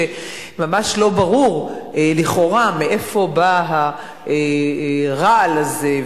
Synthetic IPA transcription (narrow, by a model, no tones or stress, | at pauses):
e | mamaʃlo̞baʁuʁeliχo̞ʁameʔefo̞baɦa | ʔe | ʁaalaze